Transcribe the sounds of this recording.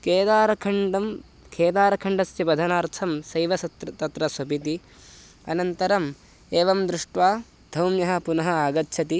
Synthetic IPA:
keːd̪aːɾɐkʰɐɳɖɐm | kʰeːd̪aːɾɐkʰɐɳɖɐsjɐbɐd̪ʱɐnaːɾt̪ʰɐmsɐjʋɐst̪t̪ɐt̪ɾɐsʋɐbʱit̪i | ɐnɐnt̪ɐɾɐm | eːʋɐmd̪ɾuʂʈʋaː | d̪ʱɐwmjɐɦɐ̆punɐɦɐaːɡɐt̪ːt͡ʃʰɐt̪i

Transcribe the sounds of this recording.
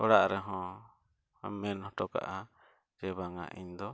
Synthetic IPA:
ɔɽaʔɾɛɦɔ̃ | amɛnhɔ̃ʈɔka̰ʔa | d͡ʒɛbaŋa̰ʔḭɲd̪ɔ

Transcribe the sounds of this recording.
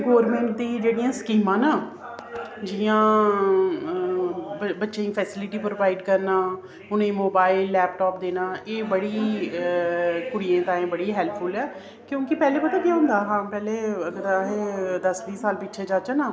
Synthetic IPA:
ɡoːɾmẽːɳʈ̚d̪ĩːd͡ʒeːɽijãːskiːmãːnaː | d͡ʒɪjãː | bətːʃẽːĩːpʰɛːsɪlɪʈiːpɾoʋaːɪɖkəɾnaː | ʊnẽːmoːbaːɪlːɛːp̚ʈɔːp̚d̪eːnaːʔeːbəɽiː | kʊɽijẽːt̪ãːẽːbəɽiːɦɛːlpʰpʰʊlɛː | kjõːkɪpɛːleːpət̪aːkjaːɦʊ̃nd̪aːɦãːpɛːleːəɡəɾaːɦeːd̪əsʋiːsaːlpɪtːʃʰeːd͡ʒaːt͡ʃanaː

